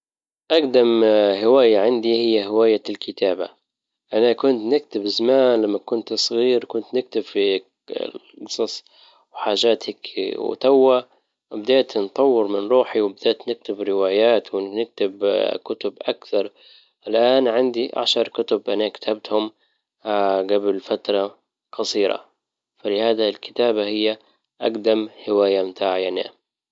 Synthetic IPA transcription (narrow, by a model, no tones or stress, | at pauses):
ʔaɡd̪amhɪwaːjaʕand̪ihɪjːaɦɪwaːjalkʰɪt̪ʰaːba̰ | ʔanakʊnt̪nɪk̚t̪ɪbɪzamaːnlamːakʊnt̪sˤɣiːɾkʊnt̪nɪk̚t̪ɪbfḭ | ɡsˤɑsˤ | wħaːʒaːt̪ʰakw̰t̪awːa | bɪd̪eːt̪nt̪ˤɑwːɪɾmɪnɾˤuːħiwɪbɪd̪eːt̪nɪk̚t̪ɪbɾɪwaːjaːt̪wɪnɪk̚t̪ɪbkʊt̪ʊbʔakθɑɾˤ | ʔɪlʔaːnʕɪnd̪iʔa̰ʃɑɾˤkʊt̪ʊbʔanakḁt̪ʰabt̪hʊm | ɡablfat̪ɾˤɑ | qɑsˤiːɾɑ̰ | falɪhaːd̪alkɪ̥t̪aːbahɪjːa | ʔaɡd̪amhɪwaːjamt̪ʰaːʕajana̰